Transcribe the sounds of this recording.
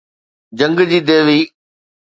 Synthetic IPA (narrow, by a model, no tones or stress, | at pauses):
d͡ʑə̃ŋɡd͡ʑiːd̪eːʋiː